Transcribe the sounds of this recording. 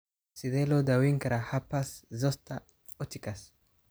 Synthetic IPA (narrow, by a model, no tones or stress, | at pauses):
siðelod̪awiŋkaɾahapaszost̪a | ut̪ikas